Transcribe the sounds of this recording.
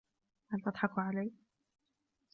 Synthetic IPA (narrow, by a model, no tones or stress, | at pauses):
halt̪ɨd̪ˤħɑkʕalaj